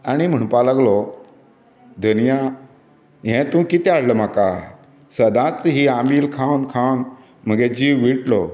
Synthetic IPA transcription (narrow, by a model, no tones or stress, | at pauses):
añim̤əɳ̃palaɡlɔ | d̪ʱənija | ɦɛ̃t̪ũkit̪ɛ̃aɽləm̤aka | səd̪ãt͡sɦiamiːlkʰãwnkʰãwn | m̤əɡed͡ʑiːwʋiʈlɔ